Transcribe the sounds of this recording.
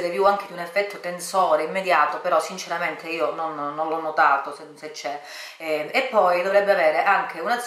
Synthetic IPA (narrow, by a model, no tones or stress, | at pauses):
ɾevjuaŋk̟ed̪iunefːɛt̪ːot̪ensɔːɾeimːed̪jaːt̪opeɾɔsːint͡ʃeɾament̪eiːononːonlɔnːot̪aːt̪oseset͡ʃːɛ | epːɔjd̪ovɾɛbːeaveːɾeʔaŋk̟ʰeunaz